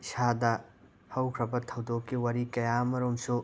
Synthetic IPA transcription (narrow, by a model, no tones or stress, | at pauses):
sadɐ | hɐwkʰɾɐbɐtʰɐwdokːiwɐɾikɐjamɐɾomsu